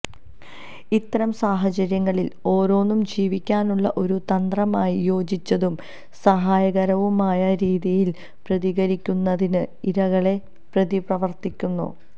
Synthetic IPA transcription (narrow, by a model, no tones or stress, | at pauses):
it̪ːɐɾɐmsaːɦɐt͡ɕɐɾjɐŋːɐɭilo̞ːɾo̞ːnːumd͡ʑiːʋikʲːaːnuɭːɐʔo̞ɾut̪ɐnd̪rɐmaːjijo̞ːd͡ʑit͡ɕːɐðum | sɐɦaːjɐɣɐɾɐʋumaːjɐɾiːðijil | prɐðiɣɐɾikʲːunːɐðinɨiɾɐɣɐɭe̞ | prɐðiprɐʋɐrt̪ikʲːunːṵ